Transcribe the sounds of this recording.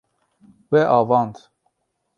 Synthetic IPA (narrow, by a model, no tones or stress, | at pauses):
wɛʔɑːvɑːnd̪